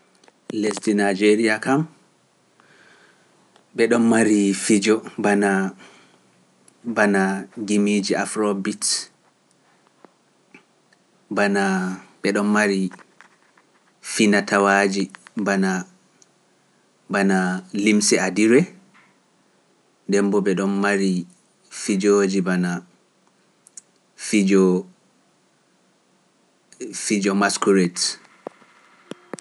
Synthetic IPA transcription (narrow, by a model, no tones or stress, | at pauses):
lestinajd͡ʒeɾiakʰam | ɓɛɗɔnːaɾifid͡ʒɔbana | banaɡimid͡ʒiʔafɾobit | banaɓɛɗɔnmaɾi | finatʰawad͡ʒibana | banalimsɛadiɾɛ | dɛmbɔɓɛɗɔnːaɾi | fid͡ʒod͡ʒibana | fid͡ʒɔ | fid͡ʒɔmaskuɾɛt